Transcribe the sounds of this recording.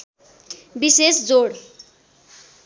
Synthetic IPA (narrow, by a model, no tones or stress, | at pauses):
bisesd͡zoɽ